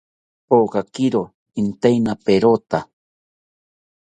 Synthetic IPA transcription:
poɢakɪɾo | int̪ajnapeɾot̪a

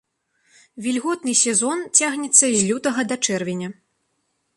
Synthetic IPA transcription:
vʲilʲɣɔt̪nɨsʲɛzɔnt͡sʲaɣnʲɛt̪sːɐzʲlʲut̪ɐɣɐd̪ɐt͡ʂɛrvʲɛnʲɐ

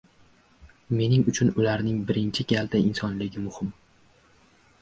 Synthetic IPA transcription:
me̞nɪŋʊt͡ʃʰʊnʊlaɾnɪŋbɪɾɪnt͡ʃʰɪɡʲald̪aʔɪnsɒnlɪɡʲɪmʊhɪm

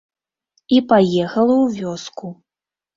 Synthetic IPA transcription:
ipajɛxɐlˠɐwvʲɔsku

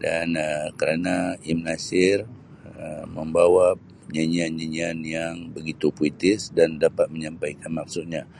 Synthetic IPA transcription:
danəkəɾanaimnasɪr | əməmbawa | ɲaɲianɲaɲianjaŋbəɡit̪upuit̪ɪsdandapat̪̚məɲampajkanmak̚sʊt̪̚ɲa

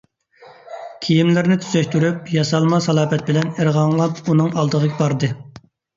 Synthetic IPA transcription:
kʲʰijimlɪɾnɪt̪ʰy̥zɛʃt̪yɾypjɑsɑlˠmɑsɑlˠɑːpɛt̪̚bɪlɛneɾʁɑŋlˠɑpunɨŋɑlˠd̪əʁəɡʲɛbɑɾd̪ɨ

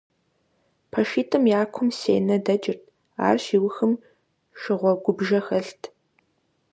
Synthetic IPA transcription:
pʰɐʃiːtʰɨmjaːkʷʰʊmsḛːnɐdɐd͡ʒɪrtʰ | a̰ːrʃiːwʊxɨm | ʃɪʁʷɔɡʷʊbʒɐxɐɬtʰ

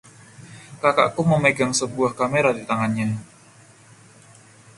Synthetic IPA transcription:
kaka̰ʔkuməmeɡaŋsəbuahkameɾadit̪aŋanɲa

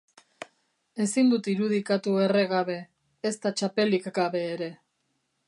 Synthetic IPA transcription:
e̞sind̪ut̪iɾuðikat̪ue̞reɣaβe̞ː | st̪at͡ʃape̞likɡaβe̞ːɾe̞

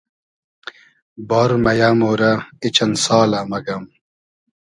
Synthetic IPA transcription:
boɾmɐjamoːɾɐit͡ɕɐnsaːlɐmɐɡɐm

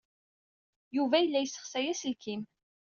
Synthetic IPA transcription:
juvæjəlːæjəsːə̥χsæjæsəlkʰim

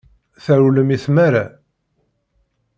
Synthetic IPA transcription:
θæɾuləmiθmæɾa

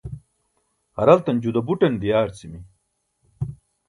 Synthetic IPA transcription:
hɐɾɐlt̪ɐnd͡ʑud̪ɐbuʈɐnd̪ijaːɾt͡simi

